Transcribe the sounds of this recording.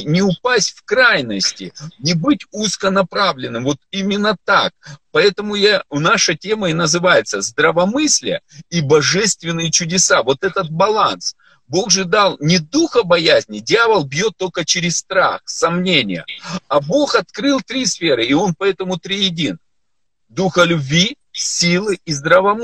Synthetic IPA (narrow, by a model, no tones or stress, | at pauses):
nʲɪʊpasʲtʲfkɾajnəsʲtʲɪnʲɪbɨtʲuskənɐpɾavlʲɪnːɨmvo̞t̪imʲɪnːət̪ak̚pɐɛt̪əmʊjanaʂətʲe̞məɪnəzɨvajɪt̪səzd̪ɾəvɐmɨsʲlʲɪjəibɐʐɛst̪vʲɪnːɨjɪt͡ɕʊdʲɪsavo̞t̪ɛt̪ət̪̚bɐlˠans | bo̞ɣʐɨd̪alˠnʲɪd̪uxəbɐjæzʲnʲɪdʲɪavəlˠbʲjo̞t̪ːo̞lʲkət͡ɕɪɾʲɪsst̪ɾa̰xsɐmnʲenʲɪjə̰ɐbo̞xɐt̪̚kɾɨlˠt̪ɾʲisfʲeɾɨɪo̞npɐɛt̪əmʊt̪ɾʲijɪdʲin | d̪uxəlʲʉbʲvʲi | sʲilˠɨːzd̪ɾəvɐm